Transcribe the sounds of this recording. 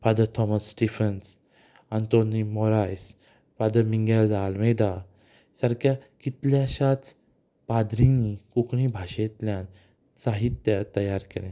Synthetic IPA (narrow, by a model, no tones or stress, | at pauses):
fad̪əɾt̪ʰɔməsːʈifəns | ant̪onimɔɾajs | fad̪əɾmiŋɡɛld̪ːlmed̪a | səɾkjakit̪ljaɕat͡s | pad̪ɾinikukɳibʱaɕet̪ljãn | saɦit̪ːət̪əjaɾkəɾẽ